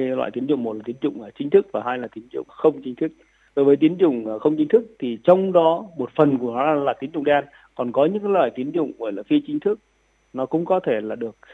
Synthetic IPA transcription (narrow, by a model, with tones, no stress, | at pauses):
lwa̰ː˧˨t̪i˨˦ənzʊ̰˧˨ŋ͡mmo˨˩t̚la˨˩t̪i˦ə˦nzʊ̰˧˨ŋ͡mʔəː˨˩t͡ɕï˨˦ŋ̟t̪ʰɨ˦˥k̚vaː˨˩ɦaː˧jlaː˨˩t̪i˨˦ənzʊ̰˧˨ŋ͡mxə˧wŋ͡mt͡ɕï˧˦ŋ̟t̪ʰɨ˦˥k̚ | ɗo˨˦jvəː˨˦jt̪i˨˦ənt͡ɕʊ̰˧˨ŋ͡mxə˧wŋ͡mt͡ɕï˨˦ŋ̟t̪ʰɨ˦˥k̚t̪ʰi˨˩t͡ɕɔ˧wŋ͡mɗɔ˨˦mo˨˩t̚fə˨˩nku˧˩ənɔ˨˦˧laː˨˩t̪i˨˦ənɲʊ̰˧˨ŋ͡mɗa˧n | kɔ˨˩nkɔ˨˦ɲɨ̰˧˥ŋkaː˨˦lwa̰ː˧˨jt̪i˨˦ənzʊ̰˧˨ŋ͡mʔəː˧˩jlaː˨˩fi˧t͡ɕï˨˦ŋ̟t̪ʰɨ˦˥k̚ | nɔ˨˦kʊ̰˧˥ŋ͡mkɔ˨˦t̪ʰe˧˩laː˨˩ɗɨ˨˩ək̚